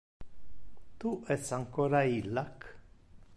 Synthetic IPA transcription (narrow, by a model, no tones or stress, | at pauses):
t̪uʔesaŋkoɾailak